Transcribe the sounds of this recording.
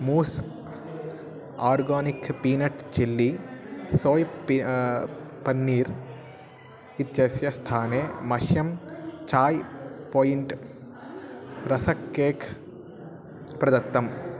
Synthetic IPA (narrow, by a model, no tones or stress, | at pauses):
muːs | aːɾɡaːnikpiːnɐʈt͡ʃilːisoːj | pɐnːiːɾ | it̪jɐsjɐst̪ʰaːneːmɐʃjɐmt͡ʃaːjpoːjiɳʈ | ɾɐsɐkːeːkʰ | pɾɐd̪ɐt̪ːɐm